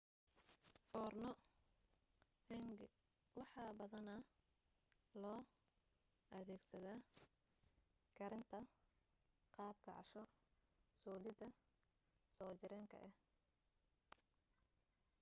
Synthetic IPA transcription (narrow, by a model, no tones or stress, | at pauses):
fɔːrnɔ | ŋ | wɑħɑbɐðɐnɐ | lɔː | ʔɐðɛːɡsɐðaː | ɡʰɐɾɪnt̪ʰɐ | qɑːb̚ɡɑʕɑʃɔ | sɔːlɪd̪ɐ | sɔːt͡ʃɪɾɛːŋkʰɐ̰ʔɛh